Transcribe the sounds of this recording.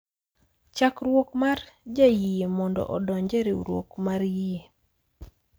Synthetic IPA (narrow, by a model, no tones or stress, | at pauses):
t͡ʃakɾwokmard͡ʒajijemɔndɔ̰ʔɔdɔɲd͡ʒeɾeṵɾwo̰kmarjie